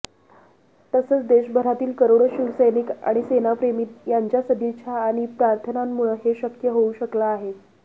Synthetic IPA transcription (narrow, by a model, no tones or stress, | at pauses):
t̪əsəːt͡sd̪eɕbʱəɾat̪iːlkəɾoɽɕiʋsəjnika̰ɽ̃isenapɾemiːt̪jaɲt͡ɕjasəd̪ʱit͡ɕʰjaːɽ̃ipɾaɾt̪ʰənamːuɭəɦeɕəkjəɦouɕəklaːɦe